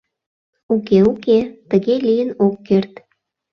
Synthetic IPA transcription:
ukeuket̪əɣelijənokːert̪

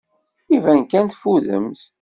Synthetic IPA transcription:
ivænkænt̪fuðə̰mθ

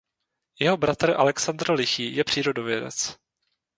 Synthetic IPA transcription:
jɛɦo̞bɾat̪r̩ʔa̰lɛksand̪rlɪxiːjɛpr̥iːɾo̞dovjɛdɛ̰t͡s

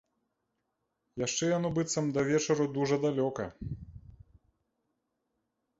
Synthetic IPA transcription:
jaʂt͡ʂɛjɔnubɨt̪sɐmd̪ɐvʲɛt͡ʃɐɾud̪uʐɐd̪alʲɔkɐ

